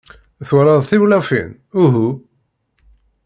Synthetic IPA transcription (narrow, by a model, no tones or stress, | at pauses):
θwɾˤɑðˤθiwlæfḭn | uɦu